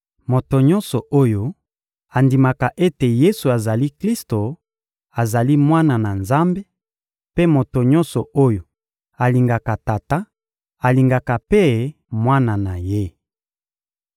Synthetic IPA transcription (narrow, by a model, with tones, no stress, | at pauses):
mo˨to˨ɲɔ˦nsɔ˨ʔo˦jo˦ | a˨ndi˨ma˨ka˨ʔe˦te˨je˦su˨a˨za˨li˦kli˦sto˨ | a˨za˨li˦mwa˦na˨na˨nza˦mbe˦ | pe˦mo˨to˨ɲɔ̃˦nsɔ˨o˦jo˨ | a˨li˨ŋɡa˨ka˨ta˨ta˦ | a˨li˨ŋɡa˨ka˨pe˦ | mwa˦na˨na˨je˦